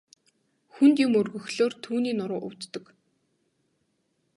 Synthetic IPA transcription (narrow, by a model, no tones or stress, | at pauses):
xunt̪imɵrɣɵ̆xɮoːrt̪ʰuːniːnʊɾʊːʔʊwt̪ːɞ̆k